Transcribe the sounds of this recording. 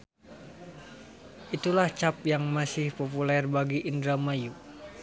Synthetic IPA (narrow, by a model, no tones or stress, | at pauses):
ʔit̪ulaht͡ʃap̚jaŋmasɪhpopulɛrbaɡiʔind̪ɾamaju